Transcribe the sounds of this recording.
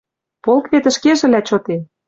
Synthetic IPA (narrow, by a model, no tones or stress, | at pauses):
polkβet̪ə̆ʃkeʒɘ̆læt͡ɕot̪e